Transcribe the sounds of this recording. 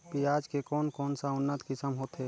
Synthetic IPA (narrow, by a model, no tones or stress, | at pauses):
piaːd͡ʒkekɔːnkɔːnsaʊnːət̪kɪsəmɦoːt̪ɦɛː